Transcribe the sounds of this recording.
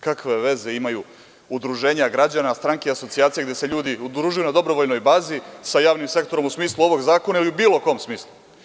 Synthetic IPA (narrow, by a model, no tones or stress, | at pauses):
kakʋe̞ʋe̞ze̞imaju | ud̪ɾuʒe̞ːɲaɡɾad͡ʑanast̪ɾaŋkeiaso̞t̪siaːt̪ijeɡd̪e̞se̞ʎuːd̪iud̪ɾuːʒujunad̪o̞bɾo̞ʋo̞ʎno̞jbaːzisajaːʋnimse̞kt̪o̞ɾomusmiːslˠuo̞ʋo̞ɡzaːko̞nailiubiːlo̞ko̞msmiːslˠu